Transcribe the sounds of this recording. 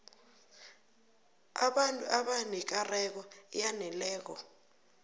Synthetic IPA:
a̰ɓantʼuaɓanik̬arɛk̬ɔjanɛlɛːk̬ɔ̰

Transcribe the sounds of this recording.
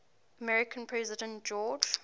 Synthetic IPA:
əmɛɹɪkʰə̃npʰɹɛzɪdə̃ntd͡ʒɔːd͡ʒ

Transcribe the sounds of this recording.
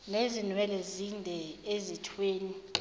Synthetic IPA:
nezinwɛlɛzindʱɛezitʰweːni

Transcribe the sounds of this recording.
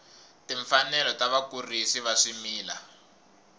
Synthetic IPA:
tiɱfanɛlɔtaβakurisiβaʂimiːla̰

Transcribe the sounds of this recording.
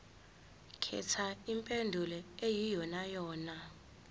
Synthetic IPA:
kʰɛ̰tʰaimpʼendʱulɛejijɔnajɔːna

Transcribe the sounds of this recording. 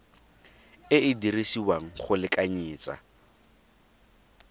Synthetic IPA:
ɪɪdirisiwaŋ̩χʊlɪkʼaɲiːt͡sʼa̰

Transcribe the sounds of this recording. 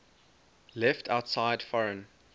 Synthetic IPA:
lɛftʰaʊtsaɪd̥fɔɹə̃n

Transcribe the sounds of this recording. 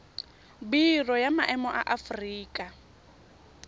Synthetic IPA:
birɔjamaʔɛmɔʔa̰ʔafriːkʼa

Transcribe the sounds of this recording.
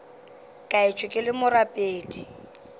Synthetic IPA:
kʼaɪt͡ʃʼwɪkʼɪlɪmʊrapʼeːtʼi̥

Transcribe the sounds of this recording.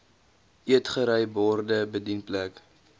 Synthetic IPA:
ʔiətχəɾəjbɔrdəbədinplæk

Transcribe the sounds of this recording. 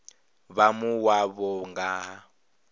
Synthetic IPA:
βamuwaβɔŋɡaːɦa

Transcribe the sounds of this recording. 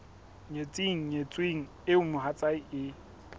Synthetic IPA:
ɲet͡sʼiŋ̩ɲet͡sʼweŋ̩ | ɪʊmʊɦat͡sʼaiɪ

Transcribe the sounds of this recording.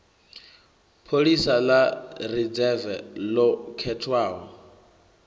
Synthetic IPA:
pʰoɺisalarid͡zɛvɛlɔkʰɛtʰwaːɦɔ

